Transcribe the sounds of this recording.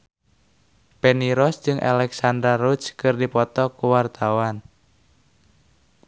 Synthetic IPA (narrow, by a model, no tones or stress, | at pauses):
peniɾɔsd͡ʒɨŋʔalɛksand̪ɾarut͡ʃkɨrdipɔt̪ɔkuwart̪awan